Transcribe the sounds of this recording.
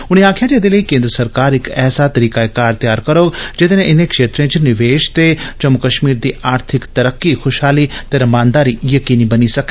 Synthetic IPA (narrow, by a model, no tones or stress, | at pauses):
ʊɽ̃ẽaːkʰjãd͡ʒed̪eləikẽːnd̪ɾəsɐɾkaːɾɪkɛːsat̪ɐɾiːkaekaːɾt̪jaːɾkɐɾoːd͡ʒɪt̪enẽʔɪnẽkʃeːt̪ɾẽt͡ʃnɪʋeːʃt̪ed͡ʒɐmʊkəʃmiːɾd̪iʔaːɾt̪ʰɪkt̪ɐɾəkːixʰʊʃɦaːlit̪eɾɐmãːnd̪aːɾijɐkiːnibɐnisɐke